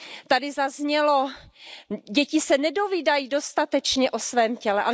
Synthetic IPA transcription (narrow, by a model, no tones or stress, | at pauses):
t̪adɪzazɲɛlo̞ | ɟɛcɪsɛnɛdo̞viːdajido̞st̪at̪ɛt͡ʃɲɛʔo̞svɛːmcɛlɛʔa